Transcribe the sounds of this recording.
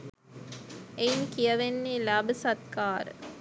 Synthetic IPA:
einkijɐʋenːeːlabəsɐt̪kaːɾə̰

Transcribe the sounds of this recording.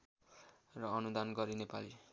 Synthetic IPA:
rʌʌnud̪anɡʌɾinepali

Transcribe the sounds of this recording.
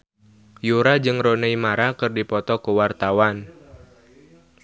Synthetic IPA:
juɾad͡ʒɨŋroneimaɾakɨrdipɔt̪ɔkəwart̪awan

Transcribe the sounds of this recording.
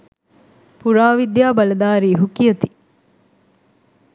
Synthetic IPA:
puɾaːʋid̪jaːbɐlɐd̪aːɾiːɦukijɐt̪i

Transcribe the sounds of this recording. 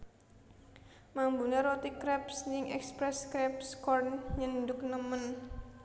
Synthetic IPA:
mambuneɾɔt̪ikɾɛpsɲɪŋɛ̰kspɾɛskɾɛpskɔrnɲənd̪ʊk̚nəmən

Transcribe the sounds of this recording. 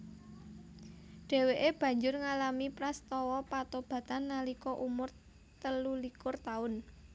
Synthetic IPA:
ɖ̥e̤weʔeb̥ä̤ɲd͡ʒʊrŋalamipɾast̪ɔwɔpat̪ob̥ä̤t̪anːalikɔʔumʊr | t̪əlulikʊrt̪aʊn

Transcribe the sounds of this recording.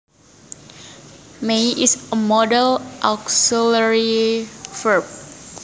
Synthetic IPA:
mẽʔisəmɔdəlʔaksiləɹifəp̚

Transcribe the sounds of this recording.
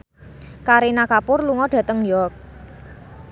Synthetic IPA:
kaɾinakapʊrluŋɔɖ̥ä̤t̪əŋjɔrk̚

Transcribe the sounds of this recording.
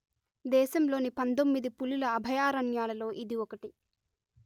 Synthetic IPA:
d̪ɛːʃɐmlo̞ːnipɐnt̪omːid̪ipululɐːbʱɐjaːɾɐɳjaːlɐlo̞ːʔid̪iɔkɐʈi

